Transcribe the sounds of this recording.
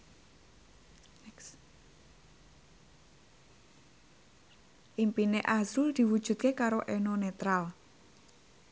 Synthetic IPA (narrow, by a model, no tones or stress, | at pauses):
ʔimpineʔasʊld̪̥i̤wud̥ʒ̥ṳt̪̚kekaɾoʔɛnonet̪ɾal